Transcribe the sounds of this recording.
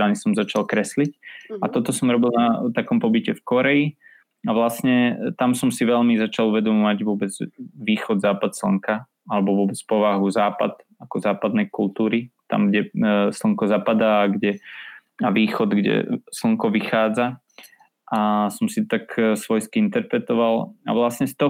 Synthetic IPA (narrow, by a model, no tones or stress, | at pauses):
anisɔmzat͡ʃalkɾɛslicat̪ɔt̪ɔsɔmɾɔbilˠnat̪akɔmpɔbicɛfkɔɾɛi | aʋlasɲɛt̪amsɔmsiʋɛʎmizat͡ʃaluʋɛd̪ɔmɔʋaɟʋʊɔbɛd͡zʋiːxɔd̪zaːpat̪sl̩ŋka | alɛbɔʋʊɔbɛt͡spɔʋaɦuzaːpa̰t̪ | akɔzaːpad̪nɛjkult̪uːɾit̪a̰mɡɟɛsl̩ŋkɔzapad̪aːɡɟɛ | aʋiːxɔd̪ɡɟɛ̰sl̩ŋkɔʋixaːd͡za | ʔasɔmsit̪aksʋɔjskiint̪ɛɾpɾɛt̪ɔʋala̰ʋlasɲɛst̪ɔ